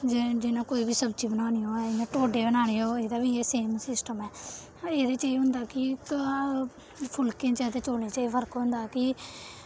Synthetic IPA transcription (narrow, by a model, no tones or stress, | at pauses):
d͡ʒd͡ʒɪnãːkoːiːbiːsəbd͡ʒiːbənaːniːoːɛːɪnãːʈoːɖeːbənaːɽeːoːeːd̪aːbiːeːseːmsɪsʈəmɛː | eːd̪eːt͡ʃaːiɦʊ̃nd̪aːkɪk | pʰʊlkẽːt͡ʃɛːt̪eːt͡ʃoːneːt͡ʃaːipʰəɾkɦʊ̃nd̪aːkɪ